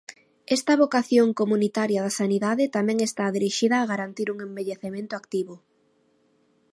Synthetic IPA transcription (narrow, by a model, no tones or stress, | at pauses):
ɛst̪ɐβokaθjoŋkomunit̪aɾjɐð̞asaniðaðɪt̪amɛ̃ŋest̪aðiɾiʃiðɐːɣaɾant̪iɾuŋembeʎeθemẽnt̪ʊakt̪iβʊ